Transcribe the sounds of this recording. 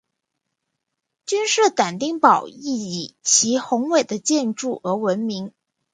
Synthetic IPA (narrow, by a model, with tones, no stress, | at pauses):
t͡ɕy˥nʂ̩˥˩t̪a˨˩nt̪i˥˩ŋpɑ˨˩ʊi˥˩i˨˩t͡ɕʰi˧˥xʊ˧˥ŋwe˨˩ɪd̪ə˦t͡ɕjɛ˥˧nʈ͡ʂu˥˩ɤ˧˥wə˧˥nmi˧˥ŋ